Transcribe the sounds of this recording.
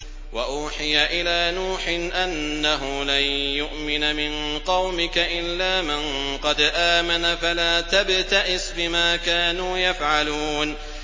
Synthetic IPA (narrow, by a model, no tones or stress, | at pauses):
waʔuːħɪjaʔɪlaːnuːħɪʔanːaɦʊlanjʊʔmɪnamɪnqɑwmɪkaʔɪlːaːmanqɑd̪ʔaːmanafalaːt̪abt̪aʔɪsbɪmaːkaːnuːjafʕaluːn